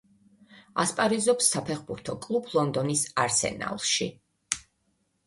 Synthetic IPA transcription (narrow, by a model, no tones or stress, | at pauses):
aspʼaɾizɔpsːapʰɛχbuɾt̪ʰɔkʼlˠupʰlˠɔnd̪ɔnisaɾsɛ̰na̰lˠʃḭ